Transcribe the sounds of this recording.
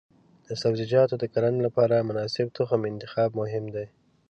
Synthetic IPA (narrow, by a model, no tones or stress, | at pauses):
d̪̥əsabzɪd͡ʒɑt̪od̪əkaɾanlapɑɾamʊnɑsɪbt̪ʊxamɪnt̪ɪxɑb̚mʊɦɪmd̪aj